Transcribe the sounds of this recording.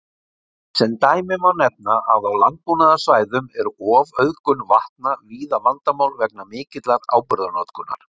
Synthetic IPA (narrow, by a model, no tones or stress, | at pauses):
sɛnt̪aːjmɪmawnɛp̚naaðawlant̪̚punaðasvaːjðʏmɛɾɔːvœðkʏnvaht̪naviːðamant̪amawlvɛk̚namɪːcɪt̪laɣa̰ːwpʏɾðanɔt̪kʏnːa̰ɾ̥